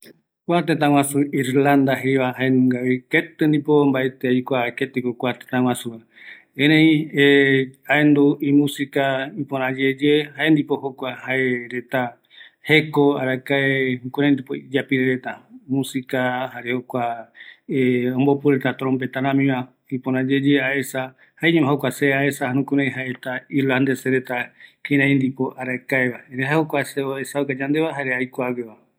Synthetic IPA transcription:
kʷat̪et̪ãw̃ãsuiɾland̪aɦeβaɦaenũŋɡaβiket̪ɨnd̪ipombaʔe̞t̪eajkʷaket̪ekokʷat̪e̥t̪ãw̃ãsua | ẽɾẽĩeaend̪uimũsikaipõɾ̃ãd͡ʒed͡ʒehaend̪ipo̞hokʷahaeɾe̞t̪a | hekoaɾakaenũkuɾẽnd̪ipoid͡ʒapiɾeɾet̪amũsikahaɾehokʷa | eõmbopuɾet̪at̪ɾompet̪ãɾãmĩβa | ipoɾãd͡ʒed͡ʒeaesa | haeɲũmãɦokʷaseaesahanũkuɾẽjɦaeet̪ailand̪eseɾet̪akĩɾãĩnd̪ipoʔaɾakaeβaeɾehahokʷaseoesaukad͡ʒand̪e̞βaɦaɾeajkʷaβeβa

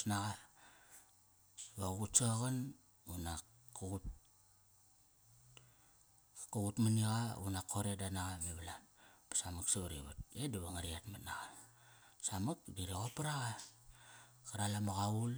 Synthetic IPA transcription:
naɣa | βaɣutsoaɣan | una | kuɣut | kuɣutmaniɣaṵnakʰo̞ɾedanaɣameβalanpḁsamaksoɾḭβṵt̚ediβaŋaɾiatmanaɣa | samak̚diɾiɣopaɾaɣa | kaɾalamaɣaul

